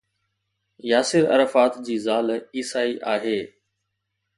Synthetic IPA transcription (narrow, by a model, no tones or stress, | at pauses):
jaːsɪɾɐ̰ɾəfaːt̪d͡ʑiːzaːliːsaːiʔaːɦeː